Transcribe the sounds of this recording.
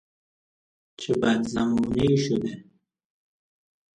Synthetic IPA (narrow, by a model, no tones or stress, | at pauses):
t͡ʃebad̪zamuniʃud̪e